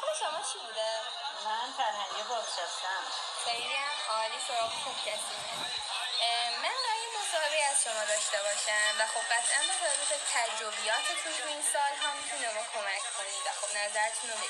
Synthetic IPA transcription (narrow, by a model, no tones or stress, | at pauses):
oleʃomɒːt͡ʃʰibud̪e | mænfæɾhæŋiiboɾʃest̪æm | bæɾiɾiæmɒːliːʃoxubcʰæɾd̪ine | mænbæjemo̞sɒːhebeiæz̥ʃomɒːd̪ɒːʃt̪ebɒːʃæmvæxo̞b̚ɢæt̪ʰʔænbæt̪æbut̪et̪ʰæd͡ʒɾobijɒːt̪ʰet̪ʰut̪ʰuinsɒːlɦɒmit̪ʰunemɔkʰo̞mæcʰkʰoniːd̪væxo̞bnæzæɾet̪ʰunom